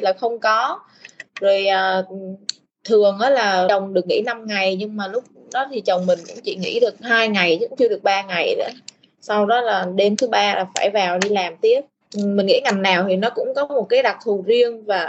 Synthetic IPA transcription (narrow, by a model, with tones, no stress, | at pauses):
laː˨˩xə˧wŋ͡mkɔ˨˦ | zo˨˩jʔəː˨˩ | t̪ʰɨ˨˩əŋʔaː˨˦laː˨˩ə˨˩wŋ͡mɗɨ˨˩ək̚ŋḭ˧˥˩na˧mŋa˨˩jɲɨ˧ŋmaː˨˩lʊ˦˥k͡p̚ | ɗɔ˨˦t̪ʰi˨˩t͡ɕə˨˩wŋ͡mmï˨˩ŋ̟kʊ̰˧˥ŋ͡mt͡ɕḭ˧˨ŋḭ˧˥ɗɨ˨˩ə˩k̚haː˧jŋa˨˩jkʊ̰˧˥ŋ͡mt͡ɕɨ˧əɗɨ˨˩ə˩k̚ɓaː˧ŋa˨˩jɗɔ̰˧˨˦ | sa˧wɗɔ˨˦laː˨˩ɗe˧mt̪ʰɨ˨˦ɓaː˧laː˨˩faː˧˩jvaː˨˩wɗi˧laː˨˩mt̪i˦˥ət̚ | mï̟˨˩ŋḭ˧˥ŋa˨˩jŋ̟naː˨˩wt̪ʰi˨˩nɔ˨˦kʊ̰˧˥ŋ͡mkɔ˨˦mo˨˩t̚kaː˨˦jɗa˨˩t̪ʰu˨˩zi˧ənvaː˨˩